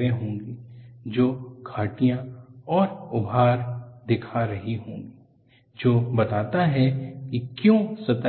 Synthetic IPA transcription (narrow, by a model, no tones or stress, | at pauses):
ɾẽɦõːŋɡid͡ʒoːɡʰʱaːʈijãɔːɾʊbʱaːɾd̪ɪkʰaɾɐɦiɦõːŋɡi | d͡ʒoːbɐt̪aːt̪aɦɛkikjõːsɐt̪a